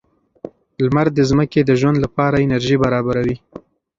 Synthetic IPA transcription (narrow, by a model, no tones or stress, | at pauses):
lmaɾd̪ːəzməked̪əʒwand̪lapɑɾaɪnaɾʒibaɾɑbaɾawi